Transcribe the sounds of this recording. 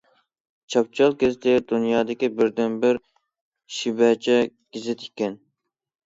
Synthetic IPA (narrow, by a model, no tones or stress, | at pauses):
t͡ʃʰɑp̚t͡ʃʰɑlˠkʲɪzt̪ʰɪd̪unjɑːd̪ɪkʲibɪɾd̪ɛnbɪɾ | ʃibɛt͡ʃʰɛɡ̥ʲizɪt̪ʰi̥kʲːɛn